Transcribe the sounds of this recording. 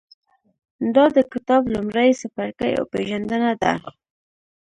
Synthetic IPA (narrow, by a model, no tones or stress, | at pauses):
d̪ɑd̪əkɪt̪ɑblumɾajsafaɾkəja̰wpeʒand̪ənad̪a̰